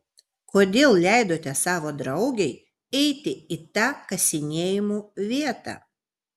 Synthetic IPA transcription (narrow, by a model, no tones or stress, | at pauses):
koːd̪ʲeːlˠlʲæˑɪd̪oːt̪ʲɛsɑːʋoːd̪ɾɐʊɡʲɛɪ | ɛɪt̪ʲɪit̪ɑːkɐsʲɪnʲeːjɪmuːʋʲiɛt̪ɑ̰ː